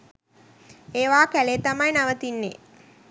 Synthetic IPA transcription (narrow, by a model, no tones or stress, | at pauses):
eːʋaːkæleːt̪amajnaʋət̪inːḛ